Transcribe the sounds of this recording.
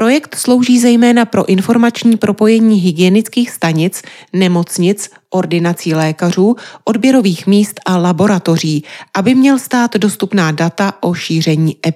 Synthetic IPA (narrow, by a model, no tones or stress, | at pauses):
pɾo̞jɛkt̪slo̞wʒiːzɛjmɛːnapɾo̞ʔɪnfo̞ɾmat͡ʃɲiːpɾʔo̞po̞jɛɲiːɦɪɡɪɛnɪt͡skiːxst̪aɲɪt͡snɛmo̞t͡sɲɪt͡s | ʔo̞ɾdɪnat͡siːlɛːkar̝uːʔo̞dbjɛɾo̞viːxmiːst̪ʔalabo̞ɾat̪o̞r̝iːʔabɪmɲɛlst̪aːt̪do̞st̪upnaːdat̪aʔo̞ʃiːr̝ɛɲiːʔɛp